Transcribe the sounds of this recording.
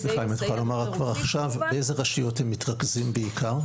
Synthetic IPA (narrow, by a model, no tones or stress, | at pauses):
sliχaimat̪χalomaʁakvaʁaχʃavbeejzeʁaʃijo̞themːitʁakzimbeikʰaʁ